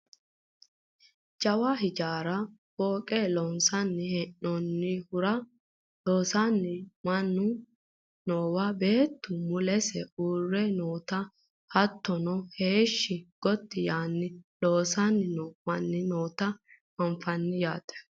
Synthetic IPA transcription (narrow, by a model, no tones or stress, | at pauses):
d͡ʒɐwɐɦɪd͡ʒaːɾɐboːkʼelɔnsɐnːɪhɛnːɔnːɪhʊɾɐ | lo̞ːsanːɪmɐnːʊ | noːwabe̞ːt̪ːʊmʊlɛsɛuːrːɛnoːt̪ɐ | hɐt̪ːɔnɔheːʃːɪɡ̥ɔt̪ːɪjaːnːɪlo̞ːsanːɪnɔmɐnːɪno̞ːt̪ɐ | ɐɱfɐnːɪjaːt̪ɛ̥